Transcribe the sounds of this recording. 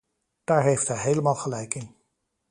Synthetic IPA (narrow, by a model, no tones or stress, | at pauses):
d̥aːɹɦejftɦɛjɦejləmaːlˠχəlɛjkɪn